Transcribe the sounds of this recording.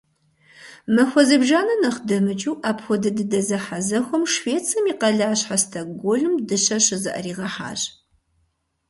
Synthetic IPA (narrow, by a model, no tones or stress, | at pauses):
mɐxʷɔzɨbʒaːnɐnɐχdɐmɨt͡ʃʼuːʔaːpxʷɔdɨdɨdɐzɐħazɐxʷɔmʂveːt͡sʰʼɐmiːqɐɮaːɕħastʰɐɡʷoɮɨmdɨɕɐɕɨzɨʔɐ̰riːʁɐħa̰ːɕʼ